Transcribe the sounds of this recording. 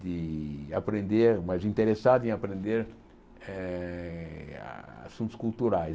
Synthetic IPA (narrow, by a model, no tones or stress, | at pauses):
d̪ɪapɾẽnd̪eɾmazĩnt̪eɾesad̪ʊẽapɾẽnd̪eɾ | ɛ | a̰sũnt̪ʊ̥skult̪uɾaj